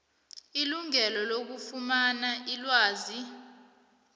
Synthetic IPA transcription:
iluŋɛlɔlok̬ufumanaʔilwaːzi

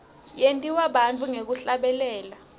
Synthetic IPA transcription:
jentʼiwaɓant͡fʰʼuŋek̬uɬaɓɛlɛːla

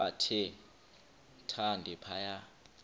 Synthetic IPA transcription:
a̰tʰɪ | tʰandʱɛpʰaja

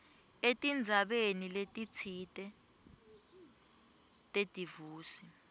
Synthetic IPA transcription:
etʼind͡zʱaɓeniletʼit͡sʰitʼɛ | tʼed̥ʼivuːsi

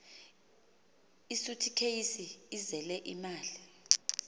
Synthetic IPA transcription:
isutʰikʰejisiːzɛlɛʔḭmaːli

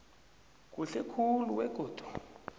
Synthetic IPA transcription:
k̬ʼuɬɛkʰuluwɛɡ̥ʱoːd̥ʱu̥

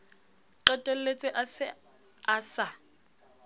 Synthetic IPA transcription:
ǃɛtʼɛl̩let͡sʼɪʔasɪ | asa

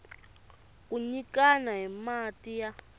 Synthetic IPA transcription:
kuɲikanaɦimatʼija

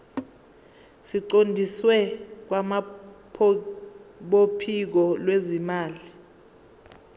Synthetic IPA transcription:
siǃondʱiswɛk̬wamapʰ | ɓopʰik̬ɔlwezimaːli

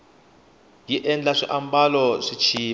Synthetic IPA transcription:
jiʔɛnd͡ɮaʂiʔambalɔʂit͡ʃʰiː

